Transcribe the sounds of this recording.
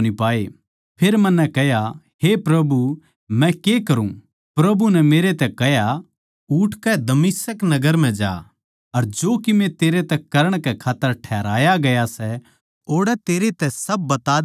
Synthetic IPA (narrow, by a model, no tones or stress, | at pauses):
nipaːe | pʰeːɾmɐnːɛkɐɦja | ɦepɾɐbu | mɛ̃kekɐɾũ | pɾɐbunɛmeːɾet̪ɛkɐɦja | uʈʰkɛd̪ɐmɪsəknɐɡəɾm̤ɛ̃d͡ʒa̰ː | ɐɾd͡ʒoːkɪmẽt̪eːɾet̪ɛkɐɾəɽ̃kɛkʰaːt̪ːəɾʈʰɛːɾaːjaɡɐjasɛ | oːɽɛt̪eːɾet̪ɛsɐb̚ːɐt̪aː